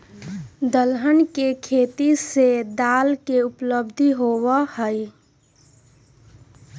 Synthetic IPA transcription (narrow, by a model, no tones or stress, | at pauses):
d̪əlɦənkekʰeːt̪ised̪aːlkeʊpləbd̪ʱiɦowahəi